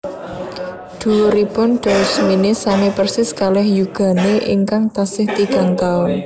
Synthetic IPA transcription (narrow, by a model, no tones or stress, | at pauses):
d̪̥ṳɾipʊnɖ̥ɔ̤sminesamepərsɪskalɛhjuɡ̥a̤neʔḭŋkaŋt̪asɪht̪iɡ̥a̤ŋt̪aʊn